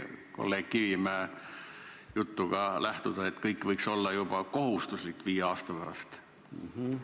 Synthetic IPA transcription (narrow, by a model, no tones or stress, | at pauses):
ko̰lːe̞ːɡ̥̚kivimæː | jut̪ːuɡ̥ɑlæht̪ud̪̥ɑet̪ːkɤjkːˑvɤjkso̞lːɑjub̥ɑko̞hust̪uslikːˑviːjeɑːst̪ɑpæɾɑ̰st̪